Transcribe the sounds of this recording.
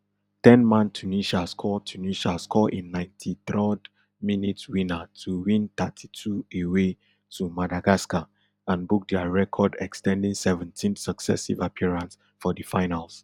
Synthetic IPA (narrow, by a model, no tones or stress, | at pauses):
tɛ̃nmãntʰuniʃaskʰɔtʰuniʃaskʰɔʔĩnːãɪ̃ntʰiθɹɔd | minitwĩnatʰuwĩnt̪atʰi̥tʰuewe | tʰumadaɡaska | ãnbuk̚dɛaɹɛkʰɔdɛ̰kstɛ̃ndĩŋsɛvɛ̃ntʰĩnsəksɛ̰sḭvapʰiɹãns | fɔdəfãɪnals